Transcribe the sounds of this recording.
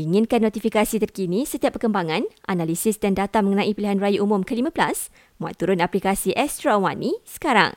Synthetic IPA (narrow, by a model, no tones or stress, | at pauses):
iŋɪ̃nkanːɔt̪ifikasit̪ərkinĩsət̪iapːərkəmbaŋãnʔanalisɪsdandat̪aməŋənãʔipiliɦanrajaʔumʊ̃mkəlimãbəlas | mwa̰t̪uɾʊnaplikasiʔɛst̪ɾawanisə̥kaɾa̰ŋ